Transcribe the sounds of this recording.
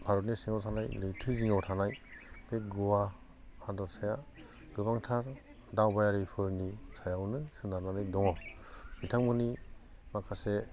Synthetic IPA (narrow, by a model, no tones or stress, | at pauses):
pʰaɾɔtnisiŋawtʰanajlɯjtʰɯziŋawtʰanajbeɡuwa | adɔɾsaja | ɡɯbaŋtʰaɾ | dawbajaɾɯjpʰɯɾnisajawnɯsɯnaɾnanɯjdɔŋɔ | mitʰaŋmɯni | makʰase